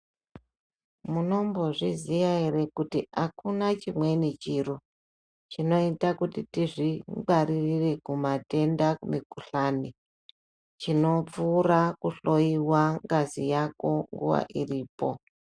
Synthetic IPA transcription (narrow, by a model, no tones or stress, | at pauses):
muno̞mbo̞ʐizijaeɾe̞kutiakunat͡ʃimwe̞nit͡ʃiro | t͡ʃino̞itakutitiʐiɡ͡baɾirire̞kumate̞ndaumikuɬani | t͡ʃino̞p͡fuːrakuɬo̞iwaŋɡazijako̞ŋɡṵʋa̰ʔiriːpo̞